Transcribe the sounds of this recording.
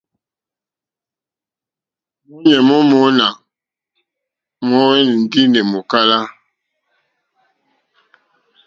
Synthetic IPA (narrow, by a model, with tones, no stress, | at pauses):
mu˦ɲɛ˨mɔ˦mɔ˨˦na˨ | mɔ˨˦wɛ˦n˨n̩˨di˦nɛ˨mo˨ka˦la˦